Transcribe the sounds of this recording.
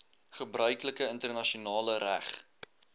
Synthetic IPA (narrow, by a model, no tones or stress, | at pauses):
χəbrœɥkləkəəntərnɐʃiunɑːləɾæ̰χ